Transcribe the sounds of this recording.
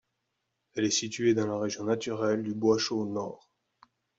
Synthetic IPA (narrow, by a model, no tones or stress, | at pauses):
ɛlɛsit̪ɥed̪ɑ̃laʁeʒjɔ̃nat̪yʁɛld̪ybwaʃonɔːʁ